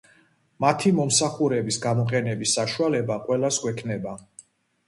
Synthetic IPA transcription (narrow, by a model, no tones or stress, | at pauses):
mat̪ʰimɔmsaχuɾɛbisɡamɔqʼɛnɛbisːaʃualɛbaqʼwɛlasɡwɛkʰnɛba